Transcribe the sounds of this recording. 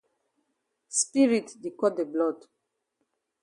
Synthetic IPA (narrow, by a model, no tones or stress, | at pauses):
spiɹitdikɔdeblɔd